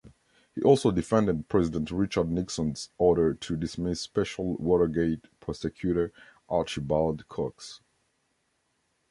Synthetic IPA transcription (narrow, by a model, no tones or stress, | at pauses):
hiʔɔlˠsoʊdɨfɛ̃ndəd̚pʰɹ̥ɛzɪdə̃ntɹɪt͡ʃə˞dⁿnɪksə̃nzɔɹɾə˞tʰɨdɨsmɪsːpɛʃl̩ˠwɔɾə˞ɡeɪt̚pʰɹɔsɛkʰj̥uɾə˞ʔɑɹt͡ʃibalˠdkʰɔks